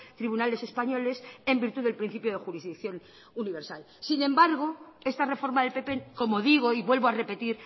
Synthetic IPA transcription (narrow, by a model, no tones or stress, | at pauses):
t̪ɾiβunale̞se̞spaɲo̞le̞se̞mbiɾt̪uðelpɾin̟θipjoð̞exuɾizðik̚θjo̞n | uniβ̞e̞ɾsal | sinẽ̞mbaɾɣ̞o̞e̞st̪are̞fo̞ɾmaðe̞lpe̞pe̞ko̞mo̞ðiɣ̞o̞iβwe̞lβoare̞pe̞t̪iɾ